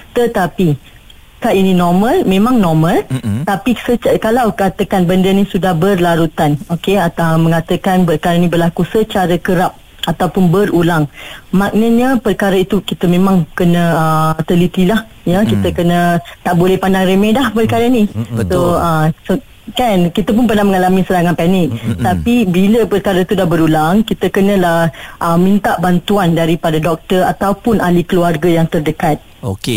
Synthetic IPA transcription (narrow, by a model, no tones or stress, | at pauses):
t̪ət̪api | kaʔinĩnɔmə̃lmẽmãŋnɔmə̃lt̪apisət͡ʃəkalawkat̪əkanbəndənisudahbərlaɾut̪anokeat̪amə̃ŋat̪əkanpərkaɾənĩbərlakusət͡ʃaɾəkəɾap̚ | ʔat̪awpʊnbərulaŋmak̚nəɲapərkaɾəit̪ukit̪əmẽmãŋkənə̃ət̪əlit̪ilah | jakit̪əkənət̪aʔbolɛhpandaŋɾemẽdahpərkaɾənisoəso | kankit̪əp̬ʊnp̬ənahməŋalamisəɾaŋanpanɪk̚t̪apibiləpərkaɾait̪udahbəɾulaŋkit̪əkənə̃lahʔəmĩnt̪aʔbant̪uandaɾipadadɔk̚t̪ərat̪awpʊnʔalikəluarɡajaŋt̪ərdəkat̪̚oke